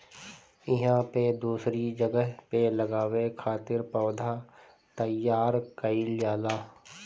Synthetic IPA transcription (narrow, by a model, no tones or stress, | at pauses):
ɪɦãped̪uːsɾid͡ʒəɡəɦpeləɡaːwekʰaːt̪ɪɾpəːd̪ʱa | t̪əjːaːɾkəiljaːlaː